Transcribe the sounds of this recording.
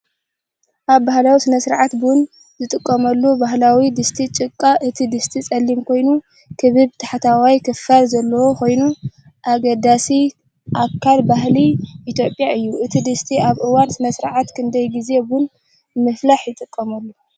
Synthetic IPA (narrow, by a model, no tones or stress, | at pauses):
ʔaβbahlawisɨnɐsɨɾʕat̪bun | zɨt̪ʼɨkʼːɐmɐlːubaɦlawid̪ɨst̪ʰit͡ʃʼɨkʼːaʔɨt̪ʰid̪ɨst̪ʰit͡sʼɐlːimkʰo̞jnu | kʰɨβɨβt̪ʰaħat̪ʰawajkʰɨfalzɐlːɐwoko̞jnu | ʔaɡɐd̪asi | ʔakʰːalbaɦliʔit̪ʰjo̞pʼjaʔɨjːuʔɨt̪ʰid̪ɨst̪ʰiaβʔɨwansɨnɐsɨɾʕat̪kʰɨnd̪ɐjɡize̞bun | mɨflaħjɪt̪ʼɨkʼːɐmɐlːu